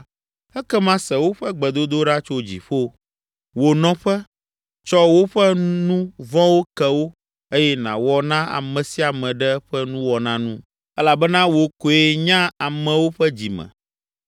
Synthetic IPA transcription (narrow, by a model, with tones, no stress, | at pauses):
ɛ˦kɛ˦mã˦sɛ˨wo˦ɸɛ˦ɡ͡bɛ˨d̪o˦d̪o˦ɖa˦t͡ʃo˦d͡ʑḭ˨ɸo˦ | wo˨nɔ̃˦ɸɛ˦ | t͡ʃɔ˦wo˦ɸɛ˦nũ˦vɔ̃˦wo˦kɛ˨wo˦ | e˦jɛ˦nã̰˨wɔ˨nã˦a̰˨mɛ̃˨si˦a˨mɛ̃˨ɖɛ˦ɸɛ˦nũ˦wɔ˨nã˦nũ˦ | ɛ˦la˨bɛ˦nã˦wo˨ko˨e˨˦ɲã˦a˨mɛ̃˨wo˦ɸɛ˦d͡ʑi˨mɛ̰̃˨